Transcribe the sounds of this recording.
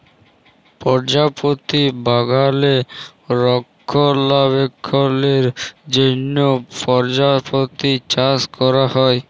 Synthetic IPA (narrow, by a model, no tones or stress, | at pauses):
pɔɾd͡ʑapot̪ibaɡale | ɾɔkʰːolaβekʰːoleɾd͡ʑenːopɔɾd͡ʑapot̪it͡ɕaskɔɾahɔe